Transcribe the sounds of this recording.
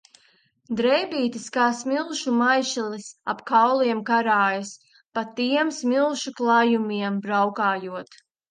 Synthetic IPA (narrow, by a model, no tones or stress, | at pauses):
d̪ɾɛjbiːt̪iskaːsmilˠʃumajʃilisa̰pkawlˠiɛmkaɾaːjas | pat̪iɛmsmilˠʃuklˠajumiɛmbɾawkaːjuɔt̪